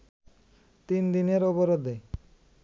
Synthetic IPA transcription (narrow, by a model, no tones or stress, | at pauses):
t̪ind̪ineɾoboɾod̪e